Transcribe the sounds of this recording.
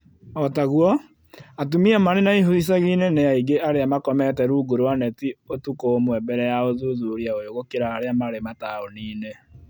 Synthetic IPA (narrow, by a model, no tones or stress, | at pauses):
ɔtaɣwɔ | atumiamaɾenaiɦois̬aɣinenejaiɡeʔaɾeamakɔmɛtɛɾuɡoɾowanɛtiotukomwɛbɛɾɛjaoðuðuɾiaojoɣokeɾaːɾeamaɾemataoniːne